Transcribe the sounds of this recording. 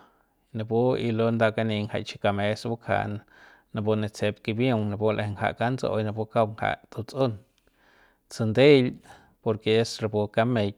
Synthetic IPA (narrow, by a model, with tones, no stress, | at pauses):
na˧pu˦i˧lo˧nd̪a˧ʔka˧ni˧ŋha̰˨jt͡ʃi̥˧ka˧me˧sbu˦kʰa̰˧˨n | na˧po˧ne˧t͡se˧p̚ki˧bjo˦˧ŋna˧˨pu˦lʔe˧˨˧ŋha̰˨ʔka˦nt͡sa̰˧ʔo̰˧jna˧pu˧ka˦wŋha̰˨ʔt̪u˧˨t͡so˦n | t͡sɨ˧nd̪e˦l | po˧ɾke˨e˦sɾa˧˨pu˧ka˦me˧j